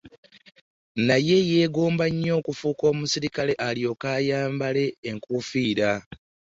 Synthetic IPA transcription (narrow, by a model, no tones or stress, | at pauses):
naje̞je̞ːɡo̞ːmbaɲːo̞ːkufuːko̞ːmusiɾikale̞ʔalio̞kaːjaːmbale̞ːŋkufiːɾa